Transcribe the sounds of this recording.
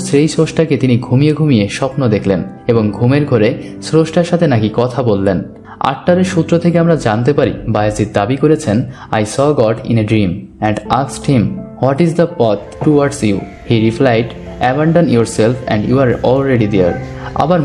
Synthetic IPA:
sɾejsoʃʈaket̪iniɡʱumijeɡʱumijeʃɔpnod̪ekʰlen | eboŋɡʱumeɾɡʱoɾe | sɾoʃʈaɾʃat̪ʰenakikɔt̪ʰabolːen | a̰ʈːaɾeɾʃut̪ːɾot̪ʰekeamɾad͡ʑant̪epaɾḭbaesd͡ʑit̪̚d̪abikoɾet͡ɕʰen | a̰jsɔɡɔʈḭneɖɾim | ɛ̃ɳɖasʈhimhwɔʈizd̪əpɔt̪ʈuwaɖsju | hiɾiflajʈ | ɛbaɳɖanjoɾselfʰɛ̰̃ɳɖjuaɾɔlɾeɖid̪eaɾa̰baɾ

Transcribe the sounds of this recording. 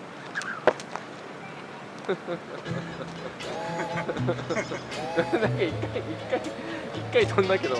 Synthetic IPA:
nãŋkaikːaiikːaiikːait̪õnd̪ake̞d̪o

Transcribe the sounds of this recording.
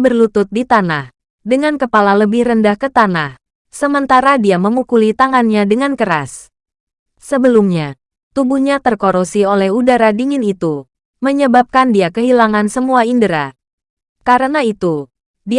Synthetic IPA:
bərlut̪ʊt̪̚dit̪anah | dəŋankəpalaləbɪhrəndahkət̪anah | səmənt̪aɾadiaməmukulit̪aŋanɲadəŋankəɾa̰s | səbəlumɲa | t̪ubuhɲat̪ərkoɾosiolɛhudaɾadiŋɪnit̪u | məɲəbap̚kandiakəɦilaŋansəmuaindəɾa | kaɾənait̪u | di

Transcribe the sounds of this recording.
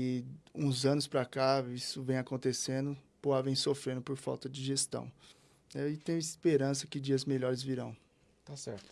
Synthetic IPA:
ɪũzɐ̃nʊspɾakaisʊvẽj̃akõnt̪esẽnd̪ʊ | poavẽj̃sofɾẽnd̪ʊpoɾfa̰wt̪ɐd͡ʒɪʒest̪ɐ̰̃w̃ | nɛɪt̪ẽj̃ispeɾɐ̃sɐkɪd͡ʒiɐzmeʎɔɾɪzviɾɐ̃w̃ | t̪asɛ̰ɾt̪ʊ̥

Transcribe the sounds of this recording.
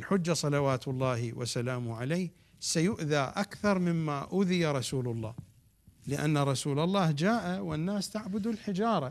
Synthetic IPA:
lħʊd͡ʒːasˤɑlawaːt̪ʊlˤːɑːhwa̰salaːmʕalajːh | sajʊʔðaʔakθɑɾˤmɪmːaʔʊːðɪjaɾˤɑsuːlʊlˤːɑ̰ː | lɪʔa̰nːaɾˤɑsuːlɑlˤːɑːhd͡ʒaːʔawɪnːaːst̪aʕbʊd̪ʊlħɪd͡ʒɑːɾˤɑ

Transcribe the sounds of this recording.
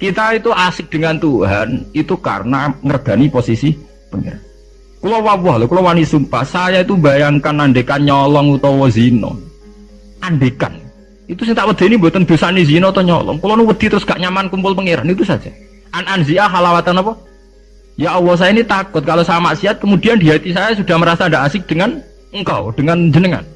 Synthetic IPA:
kit̪ait̪uasɪk̚d̥əŋant̪uɦa̰nit̪uka̰rənaŋərɡ̥a̤niposisi | pəŋḛɾan | kulɔwaɔɦlɔkulɔwanisumpa̰hsajait̪ubajaŋkanaɳɖekanɲɔlɔŋut̪ɔwɔzinɔ̰ | ʔanɖeka̰n | it̪usɪŋt̪aʔwəd̪̥a̤inimbot̪ənd̪o̤sanizinɔut̪ɔɲɔ̰lɔ̰ŋkulɔnuwəd̪̥i̤t̪əɾʊsɡ̥aʔɲamankumpʊlpəŋeɾa̰nit̪usḁd͡ʒa | ʔananziaɦalawat̪anapɔ | jaʔɔwɔs̬ajainit̪akʊt̪̚kalosamaʔsiat̪̚kəmud̥iand̥iɦat̪isajasud̥a̤hməɾasaɳdaʔasɪk̚d̥əŋan | əŋka̰wd̥əŋand͡ʒənəŋa̰n

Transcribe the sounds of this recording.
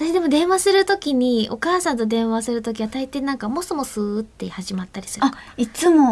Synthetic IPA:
t̪aɕid̪e̞mo̞d̪ẽ̞ɰ̃βasɨɾɯ̟t̪o̞kʲiɲ̟io̞kaːsãnt̪o̞d̪ẽ̞ɰ̃βasɨɾɯ̟t̪o̞k̬ʲiβat̪ait̪e̞nãŋkamosomo̞sɨt̪ːeihaʑimat̪ːaɾʲi̥sɨɾɯkit͡sɨmo̞

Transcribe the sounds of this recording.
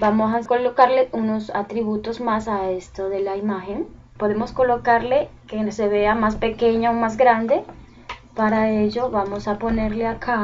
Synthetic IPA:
bamosakolokaɾleuno̞sa̰t̪ɾiβut̪o̞zmasaest̪oðe̞laimaxe̞n | po̞ðe̞mo̞sko̞lo̞kaɾle̞kese̞βe̞amaspe̞ke̞ɲaomazɡɾand̪e̞ | paɾae̞ʝo̞βamo̞sapo̞ne̞ɾleakʰa

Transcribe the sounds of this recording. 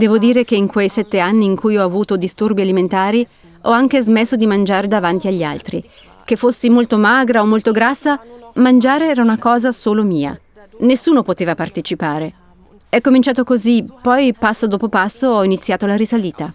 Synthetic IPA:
d̪ɛːvod̪iːɾek̟eiŋkwejsɛt̪ːeanːiːŋkujɔavuːt̪od̪ist̪urbialiment̪aːɾi | ɔaŋk̟ezmesːod̪imand͡ʒaːɾed̪avant̪iaʎːa̰lt̪ɾi | k̟efːosːimolt̪omaːɡɾaomːolt̪oɡɾasːamand͡ʒaːɾeɛːɾaunakɔːzasoːlomiːa̰ | nesːuːnopot̪eːvapart̪et͡ʃipaːɾe | ɛkːomint͡ʃaːt̪okozipɔjpasːod̪oːpopasːoɔinit̪sːjaːt̪olaɾisaliːt̪a

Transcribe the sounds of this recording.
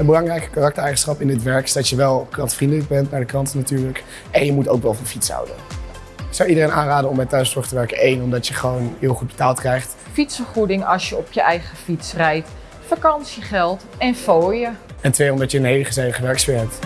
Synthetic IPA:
ənbəlɑŋrɛjkə̥karɑk̚təɹɛjχənsχɑpɪndɪtʋɛɹkɪ̥sdɑtjəʋɛlˠkrɑntfrindələk̚bɛntnaɹdəkrɑntnatyːɹlək | ʔɛnjəmutowkʋɛlˠfɑnfitsɦɑ̰wdə̰n | sɑwidərejnʔaːnraːdənɔmbɛjtœɥstɔχtəʋɛɹkənejnɔmdɑtjəχəʋownɦɪːlˠχud̚bətaːlˠtkrɛjχt | fitsəχrudɪŋɑsjəɔpjəʔɛjχəfitsrɛjt | fakɑnsiχɛlˠtɛnfoːjəɛntʋejɔmdɑtjəənɦejləχəzejvəχəʋɛɹkspɪːɹɦɛp̚t

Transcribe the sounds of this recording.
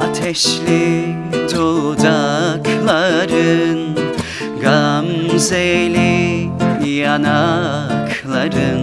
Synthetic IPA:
at̪ʰɛʃli | d̪old̪akʰlˠaɾɯn | ɡamzejli | janakʰlˠaɾɯn

